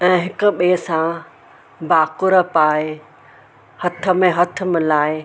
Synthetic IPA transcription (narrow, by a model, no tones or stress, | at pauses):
ɛ̃ːɦɪkʊ̆ɓeːsã | baːkʊɾəpaːɪ | hɐt̪ʰə̆mẽɦɐt̪ʰə̆mɪ̃laːɪ